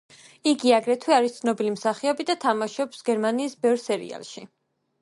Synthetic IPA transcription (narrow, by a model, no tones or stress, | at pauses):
iɡiaɡɾɛt̪ʰwiaɾist̪sʰnɔbilimsaχiɔbid̪at̪ʰamaʃɔpsɡɛɾmaniːsbɛvɾsɛɾḭa̰lˠʃi